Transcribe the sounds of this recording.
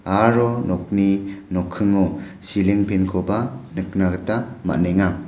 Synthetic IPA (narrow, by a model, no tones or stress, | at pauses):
aɾɔnɔk̚ninɔkʰɯŋɔ | siliŋpʰenkʰɔbanɯknaɡɯtama̰neŋa